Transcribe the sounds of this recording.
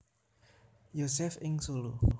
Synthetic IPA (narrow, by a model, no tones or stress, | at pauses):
josɛfĩŋsulu